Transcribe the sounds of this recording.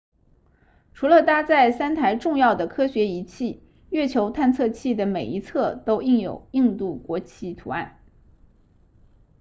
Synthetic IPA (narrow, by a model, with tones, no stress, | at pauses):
ʈ͡ʂʰu˧˥lə˧t̪a˥t͡sa˥˩ɪsa˥nt̪ʰa˧˥ɪʈ͡ʂʊ˥˧ŋjɑ˥˩ʊd̪ə˩kʰɤ˥ɕɥɛ˧˥i˧˥t͡ɕʰi˥˩ | ɥɛ˥˩t͡ɕʰjo˧˥ʊt̪ʰa˥˧nt͡sʰɤ˥˧t͡ɕʰi˥˩d̪ə˩me˨˩ɪi˧˥t͡sʰɤ˥˩t̪o˥ʊi˥˩ŋjo˨˩ʊi˥˧ŋt̪u˥˩kwɔ˧˥t͡ɕʰi˥˩t̪ʰṵ˧˥a̰˥˩n